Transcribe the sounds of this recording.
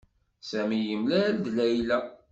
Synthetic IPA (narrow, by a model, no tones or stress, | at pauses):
sæmijəmlæd̪læjlæ